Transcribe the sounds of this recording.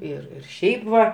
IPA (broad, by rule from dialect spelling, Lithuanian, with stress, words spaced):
ˈɪr ɪr ˈʃʲɛɪp ʋɐ